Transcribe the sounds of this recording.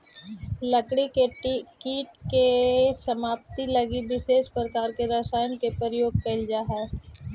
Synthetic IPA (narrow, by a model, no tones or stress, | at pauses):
lɐkɽikiːʈkesɐmaːp̚t̪ilɐɡibɪʃeːʃpɾəkaːɾkeɾaːsaːjnkepəɾjoːɡ̚pɐld͡ʒaːɦɛː